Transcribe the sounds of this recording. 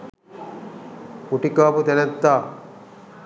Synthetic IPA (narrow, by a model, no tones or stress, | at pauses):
kuʈikaːput̪enɐt̪ːaː